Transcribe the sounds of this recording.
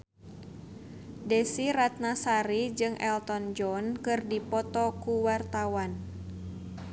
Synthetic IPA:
desiɾat̪̚nasaɾid͡ʒɨŋʔɛ̰lt̪ɔnd͡ʒɔnkɨrdipɔt̪ɔkuwart̪awan

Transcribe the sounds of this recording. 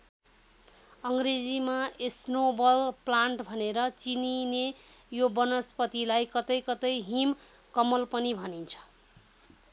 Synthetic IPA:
ʌŋɡred͡zimaesnobʌlplaɳʈbʱʌneɾʌt͡sininejobʌnʌspʌt̪ilajkʌt̪ʌjkʌt̪ʌjɦim | kʌmʌlpʌnibʱʌnint͡sʰʌ̥

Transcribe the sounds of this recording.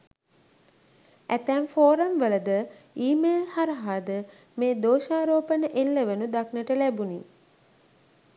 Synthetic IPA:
æt̪æmfoːɾəmʋələd̪əiːmeːlhaɾəɦaːd̪ə | meːd̪oːʃaːɾoːpənəʔelːəʋənud̪aknəʈəlæbuni

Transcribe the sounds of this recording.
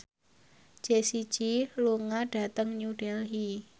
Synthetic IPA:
d͡ʒ̥esit͡ʃiluŋaɖ̥a̤t̪əŋɲuɖɛlɦi

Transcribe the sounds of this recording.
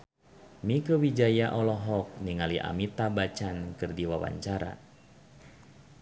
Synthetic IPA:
mikəwid͡ʒajaʔɔlɔɦɔk̚niŋaliʔa̰mit̪abat͡ʃankɨrdiwawa̰ɲt͡ʃaɾa̰

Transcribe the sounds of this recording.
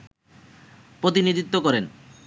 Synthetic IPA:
pɾot̪inid̪it̪ːokɔɾen

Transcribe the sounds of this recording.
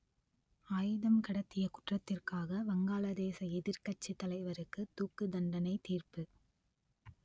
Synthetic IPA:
aːjɯðɐmkɐɽɐt̪ːɪjɐkʊʈrɐt̪ːɪrkaːɣɐʋɐŋɡaːlɐd̪eːsɐɛðɪɾkɐʈ̚t͡ʃːit̪ːɐlɐɪʋɐɾɯkːɯt̪uːkːɯd̪ɐɳɖɐnɐɪt̪iːrpɯ

